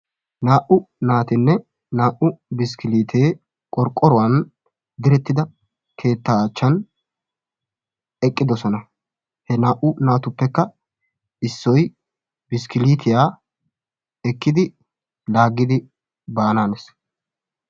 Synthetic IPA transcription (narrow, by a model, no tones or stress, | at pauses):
naːʔʊnaːt̪ɪnːɛ | naːʔʊbɪskɪliːt̪ʰeː | kʼɔɾkʼːɔɾʊwɐn | d̪ɪɾɛt̪ːɪd̪ɐ | kʰe̞ːt̪ːaːt͡ʃːɐn | ɛkʼːɪd̪ɔsɔnɐ | hɛnaːʔʊnaːt̪ʊpːɛkːɐ | ɪsːɔj | bɪskɪliːt̪ʰɪjaː | ɛkːɪd̪ɪ | laːɡːɪd̪ɪ | baːnaːnes